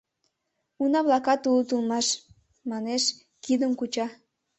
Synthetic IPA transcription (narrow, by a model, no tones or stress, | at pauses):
unɑβlˠɑkɑt̪ulut̪ulˠmɑʃ | mɑneʃ | kid̪əmkut͡ɕɑ